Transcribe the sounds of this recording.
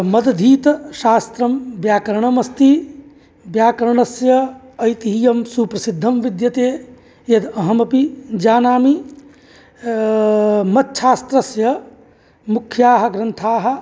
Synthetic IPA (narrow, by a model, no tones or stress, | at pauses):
mɐd̪ɐd̪ʱiːt̪ɐʃaːst̪ɾɐmbjaːkɐɾɐɳɐmɐst̪i | bjaːkɐɾɐɳɐsjɐ | ɐjt̪iɦijɐmsuːpɾɐsid̪ʱːɐmʋid̪jɐt̪eː | jɐd̪ɐɦɐmɐpid͡ʒaːnaːmi | mɐt̪ʃʰaːst̪ɾɐsjɐ | mukʰjaːɦɐ̆ɡɾɐnt̪ʰaːɦɐ̆